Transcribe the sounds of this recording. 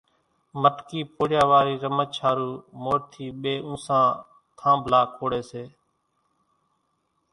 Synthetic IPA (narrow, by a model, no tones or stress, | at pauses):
məʈkiːpoːɽjaːʋaːɾiːɾəmət͡ʃʰaːɾuːmoːɾt̪ʰiːɓeːʔũːsãː | t̪ʰãːbʱlaːkʰoːɽeːseː